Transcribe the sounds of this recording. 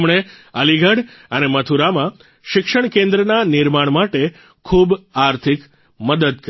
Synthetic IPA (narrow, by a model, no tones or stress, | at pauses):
mɳ̃eəliɡʱəɽənemət̪ʰuɾamã | ʃɪkʃəɳ̃kẽnd̪ɾənanɪɾmaɳmaʈe | kʰubaɾt̪ʰik | məd̪əd̪k